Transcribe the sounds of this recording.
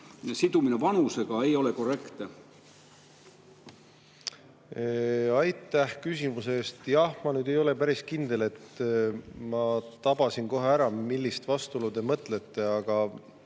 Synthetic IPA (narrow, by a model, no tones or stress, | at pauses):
sid̪uminevɑnuse̞ɡ̥ɑejo̞le̞ko̞re̞kt̪e | ɑjt̪ːˑæhkys̬ʲimuseeːst̪jɑhmɑnyːd̪e̞jo̞le̞pæɾiskind̪̥e̞le̞t̪ː | mɑt̪ɑb̥ɑsinko̞ɦeæɾɑmilːist̪vɑst̪ulud̪e̞mɤt̪ˑle̞t̪ːe̞ɑɡ̥ɑ